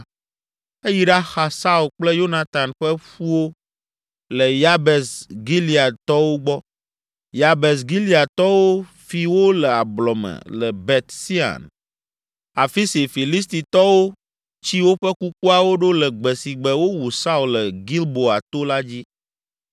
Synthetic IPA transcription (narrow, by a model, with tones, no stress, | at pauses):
e˦ji˦ɖa˦xa˨sa˦u˨k͡plɛ˦jo˦na˦t̪a˨nɸɛ˦ɸu˦wo˦ | lɛ˨ja˦bɛ˨sɡi˦li˨a˨d̪t̪ɔ˦wo˦ɡ͡bɔ˦ | ja˨bɛ˨s̬ɡi˦li˦a˨t̪ɔ˦wo˦ | fi˨wo˦lɛ˨a˨blɔ˨mɛ̰̃˨lɛ˨bɛ˨t̪si˦ã̰˨n | a˨fi˦si˨fi˨li˦s̬t̪i˨t̪ɔ˦wo˦ | t͡ɕi˦wo˦ɸɛ˦ku˦k̚u˦a˨wo˦ɖo˦lɛ˨ɡ͡bɛ˨si˨ɡ͡bɛ˨wo˦wu˨sa˦u˨lɛ˨ɡi˦lbo˨a˨t̪o˦la˦d͡ʑi˦